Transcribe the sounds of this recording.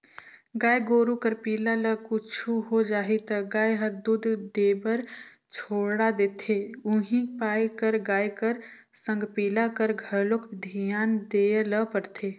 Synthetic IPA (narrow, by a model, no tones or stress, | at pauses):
ɡaːjɡoːɾukəɾpiːlaləkʊt͡ʃʰuɦod͡ʒaːɦit̪ɡaːjɦəɾd̪ʊd̪ʱd̪eːbəɾ | t͡ʃʰoːɽad̪eːt̪ʰeʊɦĩpaːjkəɾɡaːjkəɾ | sə̃ŋɡpiːlakəɾɡʱəɾlokd̪ʱijaːnd̪eːləpəɽt̪ʰeː